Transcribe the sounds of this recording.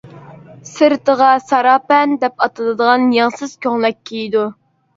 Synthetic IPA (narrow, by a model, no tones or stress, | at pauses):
sɨɾt̪əʁɑsɑɾɑːpɛnd̪ɛpɑt̪ʰɨlˠɨd̪əʁɑnjɑŋsɨz̥kʲʰøŋlɛk̚ʲʰːejid̪u